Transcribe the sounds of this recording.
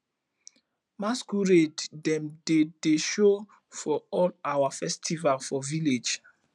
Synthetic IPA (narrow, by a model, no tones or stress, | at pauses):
maskuɹeddɛ̃mded̥eʃo | fɔɔlawafɛstʰivalfɔviled͡ʒ